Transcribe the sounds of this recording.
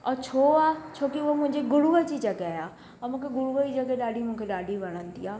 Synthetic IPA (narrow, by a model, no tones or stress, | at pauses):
ɔːt͡ɕʰoːaːt͡ɕʰoːkiʊɦomʊ̃ɦɪ̃ɲd͡ʑeɡʊɽuʋəd͡ʑid͡ʑɐɡeaːjaː | ɔmũːkʰeɡʊɽuʋəd͡ʑid͡ʑɐɡeɗaːɖʱimũːkʰeɗaːɖʱiʋɐɽ̃ənɪ̆t̪iaː